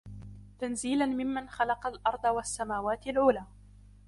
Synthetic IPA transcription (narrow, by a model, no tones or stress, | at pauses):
t̪anziːlanmɪmːanxalɑqɑlʔɑɾˤd̪ˤɑwasːamaːwaːt̪ɪlʕuːlaː